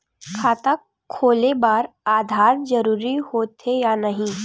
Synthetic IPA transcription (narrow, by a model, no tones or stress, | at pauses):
kʰaːt̪akʰːoːlebaːɾ | aːd̪ʱaːɾd͡ʒɐɾuːɾihoːt̪ɦejanɐɦĩ